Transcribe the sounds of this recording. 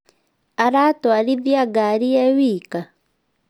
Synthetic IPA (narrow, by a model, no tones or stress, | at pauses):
aɾatɔaɾiðiaɡaɾiɛwika